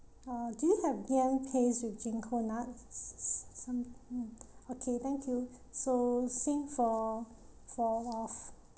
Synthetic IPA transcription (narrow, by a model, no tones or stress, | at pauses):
adiuhɛvɡĩnpʰeswifd͡ʒɛ̃ŋkʰonat̚ | sãm̩ | okʰet̪ɛ̃ŋkʰju | sosĩŋfɔ | fɔɔf